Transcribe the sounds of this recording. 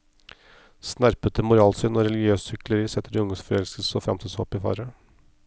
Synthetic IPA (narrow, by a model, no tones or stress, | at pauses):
snæɾpət̪əmʊɾɑːlsʏnɔːɾɛlɪɡɪøːssʏkləɾiːsɛt̪ːəɖɪʊŋd̪ɔsfɔɾɛlskəlsəɔfɾɑ̰mt̪ʰɪlsɔ̰pːɪːfɑ̰ːɾə